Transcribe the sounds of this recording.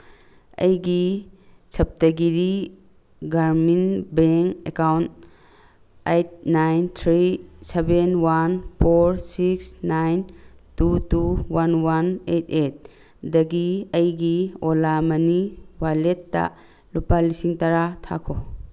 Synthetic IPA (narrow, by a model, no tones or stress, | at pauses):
ɐ̰jɡi | t͡ʃʰɐp̚tɐɡiɾi | ɡaɾminbeŋkḛkawnt | ejt̚najnt̪ʰɾisebenwanpʰoɾsiksnajntutuwanwanet̚ʰet̚ | dɐɡiəjɡiolamɐniwaletːa̰ | lupalisiŋtaɾatʰa̰kʰo